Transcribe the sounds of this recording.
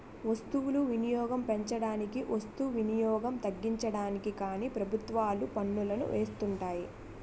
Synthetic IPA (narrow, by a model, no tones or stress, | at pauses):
ʋɐst̪uʋuluʋinijɔːɡɐmpeɲt͡ʃɐɽaːnikiʔɐst̪uʋinijɔːɡɐmt̪ɐɡːiɲt͡ʃɐɽaːnikikaːniːpɾɐbʱut̪ʋaːlupɐɳːulɐnṵʋʔeːst̪uɳʈaːji